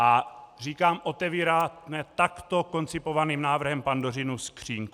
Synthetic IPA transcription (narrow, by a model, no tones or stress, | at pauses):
ʔariːkaːmʔo̞t̪ɛviːɾaːnɛt̪akt̪oko̞nt͡sɪpovaniːmnaːvr̩ɦɛmpandorɪnuskr̝̥iːŋku